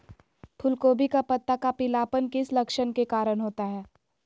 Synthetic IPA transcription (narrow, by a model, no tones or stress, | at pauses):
pʰʊlkoːbikapɐt̪ːakapɪlaːpənkɪslɐkʃənkekaːɾəɽɦoːt̪aɦɛː